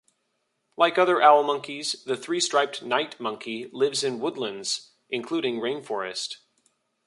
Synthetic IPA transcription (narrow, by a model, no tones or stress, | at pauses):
laɪkʌðə˞ʔæl̩ˠmʌ̃ŋkizðɨθɹistɹ̥aɪp̚tnaɪtmʌ̃ŋkʰilɪvzɨ̃nwʊdˡlə̃ndz̥ | ʔɨ̃nkʰl̥uɾɪ̃ŋɹẽɪ̃nfɔɹɨ̰st